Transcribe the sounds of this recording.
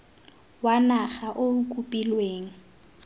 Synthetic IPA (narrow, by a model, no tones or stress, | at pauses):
wanaχaʔoŋ̩kʼupʼilweːŋ̩